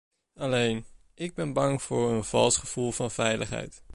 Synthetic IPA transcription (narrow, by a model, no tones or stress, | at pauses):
ɑlejn | ɪɡ̚bɛnbɑŋvʊːɹənv̥ɑ̰lˠsχəv̥ulˠvɑnvɛjləχɦɛ̰jt